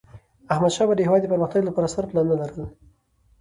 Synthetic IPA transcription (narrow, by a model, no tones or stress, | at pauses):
ahmad̪ʃɑbad̪əhɪwɑd̪d̪əpəɾməxt̪aɡlapɑɾasaɾplɑnːalaɾəl